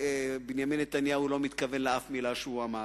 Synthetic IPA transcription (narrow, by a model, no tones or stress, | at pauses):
binjaminːet̪anjaulo̞mit̪kɐve̞nleafmilaʃeuama